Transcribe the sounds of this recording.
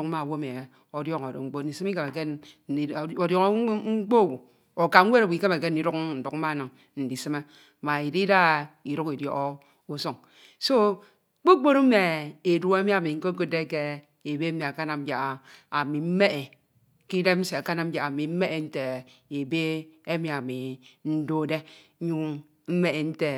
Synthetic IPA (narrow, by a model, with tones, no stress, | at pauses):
u˦k̩˦ma˦˨wo˦me˨ | o˨djɔ˦ŋo˨do̰˨ŋ͡m̩˦k͡po˦ti˨sɨ˦mi˦ka˨me˨ke˦˨ | o˨djɔ˦ŋ˦ŋ͡m̩˦k͡po˦˨wu˨ | o˨ka˨ŋ͡m̩˦we˦ɾo˨wu˨i˨ke˦me˨ke˦n̩˨i˦ɾu˦k̚n̩˨du˨km̩˦ma˦˨nɨ˨ŋ | n̩˨di˨sɨ˦me˦ | ma˨i˨di˦da˦i˨ɾu˦ki˨djɔ̰˨ʔo˦ | o˦so˦ŋ | so˦ | k͡po˦k͡po˦ɾ̩˦me˨e˨dwu˦e˦mi˦a˨mi˨ŋ̩˦ko˦ko˦de˦ke˦ | e˨be˦mi˨a˨ka˦na˨m̩˦d͡ʒa˨a˨a˨mi˨m̩˦me˦ʔe˨ | ki˦de˦m̩˦se˨a˨ka˦na˦m̩˦d͡ʒja˨a˨mi˨m̩˦me˦ʔe˨n̩˦te˨e˨be˦e˦mi˨a˨mi˨n̩˦do˦de˦ | ɲu˦ | m̩˦me˦e˨n̩˦te˨